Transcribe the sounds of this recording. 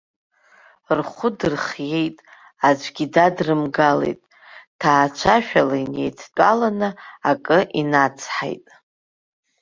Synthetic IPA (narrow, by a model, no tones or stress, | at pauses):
rχʷʊdɨrχje̞jtʼ | ad͡ʒʷɡʲidadrɨmɡalḛjtʼ | tʰaːt͡ʃʷʰaʃᶣalaine̞̰jtʰt͡pʷʼa̰lanɨakʼɨʔinat͡sʰħa̰jtʼ